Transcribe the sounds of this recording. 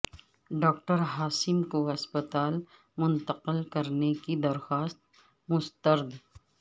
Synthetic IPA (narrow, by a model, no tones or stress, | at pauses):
ɖɔːkʈəɾɦaːsɪmkoɐspət̪aːl | mʊ̃nt̪əqəlkɐɾnekid̪ɐɾxaːst̪̚ | mʊst̪əɾd̪